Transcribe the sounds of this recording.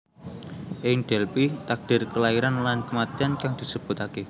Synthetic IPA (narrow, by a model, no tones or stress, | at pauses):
ʔɪŋɖ̥ɛlpit̪ak̚d̥ɪ̤rkəlaiɾanlankəmat̪iankaŋd̪̥i̤səb̥ʊ̤t̪ake